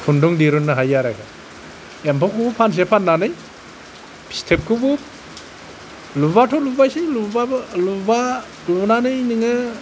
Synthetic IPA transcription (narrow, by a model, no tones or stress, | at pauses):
pʰunduŋdiɾunːɯɦajaɾakʰa | empɔkʰubupʰans̬epʰanːanɯj | pʰi̥stʰep̚kʰubup̚ | lubatʰɔlubajsilubaluba | lunanɯjnɯŋɯ